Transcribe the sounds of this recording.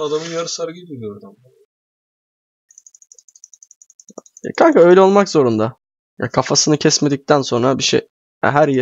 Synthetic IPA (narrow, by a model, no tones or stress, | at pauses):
ad̪amɯnjaɾɯsaɾɡid̪iɾijoɾd̪am | kʰankaø̞jlʲɛo̞lˠmakzo̞ɾund̪a | ja̰kʰafasɯnɯcʰɛsme̞d̪ic̚t̪ʰænso̞nɾabiʃḛj | æ̰ɦæɾj